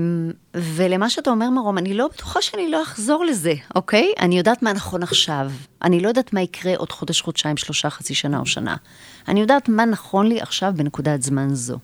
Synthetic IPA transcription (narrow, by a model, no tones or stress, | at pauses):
ve̞lemaʃeatao̞me̞ʁmaʁo̞manilo̞betu̥χaʃeaniloaχzo̞ʁleze̞ʔo̞kejʔa̰nijo̞daːtmanaχo̞naχʃavʔa̰nilo̞jodaːtmaikʁe̞ʔo̞d̥χo̞deʃχodt͡ʃaimʃlo̞ʃaχat͡siʃana̰oʃa̰na̰ | a̰nijo̞daːtmanaχo̞nliʔa̰χʃavbenekudatzmanzo̞̰